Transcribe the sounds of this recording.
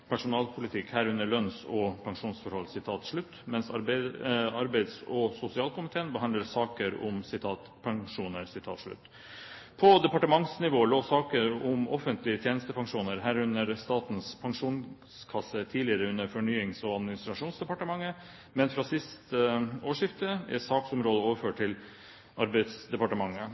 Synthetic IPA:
pʰæʂʊnɑːlpʰʊlɪt̪ʰɪkhæːɾʉnːəɭœnsɔpʰɑŋʂuːnsfɔɾhɔlsɪt̪ʰɑːt̪ʂɭʉt̪ːmɛnsɑ | ɑɾbæɪd̪sɔsʊsɪɑːlkʊmɪt̪ʰeːənbəɦɑnd̪ləɾsɑːkəɾʊ̰msɪt̪ʰɑːt̪pʰɑŋʂuːnəɾsɪt̪ʰɑ̰ːt̪ʂɭʉ̰t̪ː | pʰɔd̪ɛpɑʈəmɑŋsnɪʋoːloːsɑːkəɾʊmɔ̰fənt̪ʰlɪət̪ʰjeːnəst̪əpɑŋʂuːnəɾɦæːɾʉnəɾst̪ɑːt̪n̩spʰɑŋʂuːnskʰɑsːət̪ʰiːlɪəɾəʉnːəɾfɔɳyːɪŋsɔɑd̪mɪnɪst̪ɾɑʂuːnsd̪ɛpɑʈəmɑŋːə | mɛnfɾɑːsɪst̪əoːʂɪft̪əɛ̰sɑːksʊmɾoːd̪əoːʋəɾføːʈ̚ʰːɪl | ʔɑɾbæɪd̪sd̪ɛpɑʈəmɑŋːə

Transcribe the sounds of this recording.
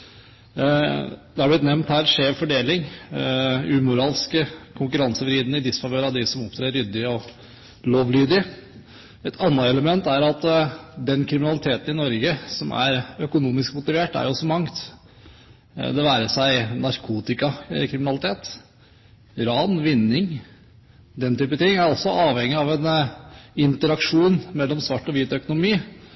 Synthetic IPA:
d̪ɛhɑblɪt̪nɛmnt̪hæːɾʂeːfɔɖeːlɪŋ | ʉːmʊɾɑːlskəkʰʊŋkʉɾɑnsəʋɾiːd̪nəɪd̪ɪsfɑʋøːɾɑd̪ɪsɔmɔpt̪ʰɾeːɾʏd̪ːɪəɔ | loːʋlyːd̪ɪ | ɛt̪ʰɑnːəɛləmɛnt̪æɾɑt̪d̪ɛnkʰɾɪmɪnɑlɪt̪ʰeːt̪ənɪnɔɾɡəsɔmʔæ̰ɾœkʊnuːmɪskmʊt̪ɪʋeːʈːæ̰jʊsɔmɑŋt̪ | d̪ɛʋæːɾəsæɪnɑɾkʰuːt̪ɪkɑkʰɾɪmɪnɑlɪt̪ʰeːt̪ | ɾɑːnʋɪnːɪŋ | d̪ɛnt̪ʰyːpət̪ʰɪŋːæɾɔsɔʔɑːʋhɛŋːɪɑʋɛn | ɪnt̪əɾɑkʂuːnmɛlːɔmsʋɑʈːɔʋiːt̪œkʊnʊmiː

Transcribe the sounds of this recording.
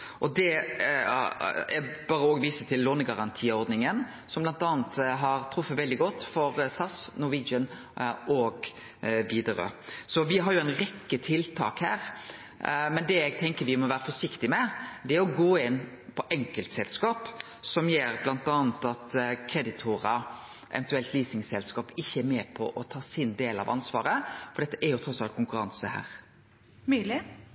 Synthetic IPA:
ʔɔd̪ɛ | ɛb̥ɑːɾəoːɡʋiːsət̪ʰɪlːoːnəɡɑɾɑnt̪ʰiːɔɾd̪nɪŋən | sɔmblɑnt̪ɑːnt̪ɦɑɾt̪ʰɾʊfːət̪ʋɛld̪ɪɡɔt̪ːfɔɾsɑsnʊʋid͡ʒən | ʔɔɡ | ʋiːd̪əɾə̰sɔʋɪɦɑɾjʊæɪnɾɛkːət̪ʰɪlt̪ʰɑ̰ːkhæːɾ | mɛnd̪ɛæɡ̚t̪ʰɛŋkəɾʋɪmɔʋæːɾəfɔʂɪkt̪ɪmɛd̪ɛæɾɔɡoːɪn | pʰɔʔɛŋkəlt̪sɛlskɑːp | sɔmjeːɾblɑnt̪ɑːnət̪ɑt̪kʰɾɛd̪ɪt̪ʰʊɾə | ʔɛ̰ʋɛnt̪ʉɛlt̪liːsɪŋsɛlskɑːpɪçːəæɾmɛpʰɔ̰ʔɔt̪ʰɑːsɪnd̪eːlɑ̰ʋɑnsʋɑ̰ːɾəfɔɾɖ̪ɛt̪ːəʔɛɾjʊt̪ʰɾɔsɑlt̪̚kʰʊŋkʉɾɑnsəhæ̰ːɾ | myːlɪ

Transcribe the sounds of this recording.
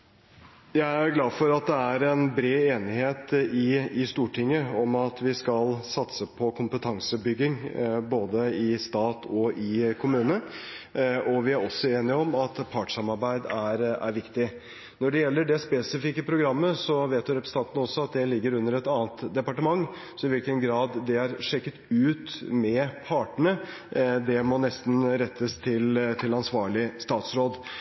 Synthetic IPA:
jæɪæɾɡlɑːd̪fɔɾɑt̪̚d̪ɛæɾɛnbɾeːeːnɪheːt̪ɪɪst̪uːʈʰɪŋːəɔmɑt̪ʋɪskɑlsɑt̪səpʰɔkʰʊmpət̪ʰɑŋsəbʏɡːɪŋboːd̪əɪst̪ɑːt̪ʰɔʔɪkʰʊmʉːnə | ɔʋɪæɾɔsːɔeːnɪɔmɑt̪pʰɑːʈʂɑmɑɾbæɪd̪æɾæ̰ɾʋɪkt̪ɪ | nɔɖɛjɛlːəɖɛspɛsɪfikːəpʰɾʊɡɾɑmːəsɔʋeːt̪ʋɪɾɛpɾəsət̪ɑnt̪nəɔsːɔɑt̪̚d̪ɛlɪɡːəɾʉnːəɾɛt̪ɑːnt̪d̪ɛpɑʈəmɑŋː | sɔɪʋɪlkənɡɾɑːd̪d̪ɛæɾʂɛkːət̪ʉːt̪mɛpʰɑːʈəɳə | d̪ɛmɔnɛst̪n̩ɾɛt̪ʰːəst̪ʰɪlt̪ʰɪlɑnsʋɑːɭɪst̪ɑːt̪sɾoːd̪

